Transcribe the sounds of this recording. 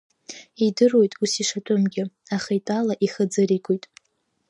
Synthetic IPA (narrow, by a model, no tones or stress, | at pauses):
idɨro̞jtʼusiʂatʰʼomɡʲɪ | aχajtʼalaʔiχəd͡zɨɾiɡʷʰʼojtʼ